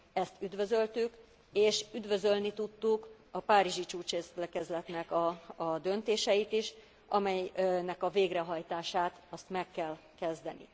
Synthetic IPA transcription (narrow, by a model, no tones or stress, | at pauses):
ɛst̪yd̪vø̞zø̞lt̪yk | eːʃyd̪vø̞zø̞lnit̪ut̪ːuk | ɒpaːɾiʒit͡ʃuːt͡ʃeːst̪lɛkɛzlɛt̪nɛkɒːd̪ø̞nt̪eːʃɛjit̪iʃ | ʔɒmɛnɛkɒveːɡrɛɦɒjt̪aːʃaːt̪ɒst̪mɛkːɛlkɛzd̪ɛnḭ